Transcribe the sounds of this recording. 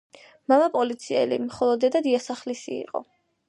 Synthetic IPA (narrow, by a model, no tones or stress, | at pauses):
mamapʼɔlit̪sʰiɛ̰lḭmχɔlˠɔd̪ɛd̪ad̪iasaχlisiḭqʼɔ̰